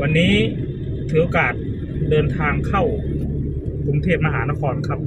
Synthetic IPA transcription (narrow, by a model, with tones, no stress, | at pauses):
wa˧nːiː˦˥ | t̪ʰɯː˩˦ʔo˧kaː˨˩t̪̚ | dɤː˧nt̪ʰaː˧ŋkʰa˥˩w | kʰo˧ŋt̪ʰeː˥˩t̪̚ma˧ɦa̰ː˩˦na˦˥kʰɔː˧nkʰa˦˥p̚